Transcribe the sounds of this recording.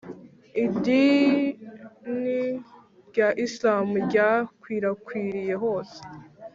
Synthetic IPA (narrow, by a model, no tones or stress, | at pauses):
idi | ni | ɾɟaʔislaːmuɾɟakwiːɾakwiːɾije̞ɦo̞ːse̥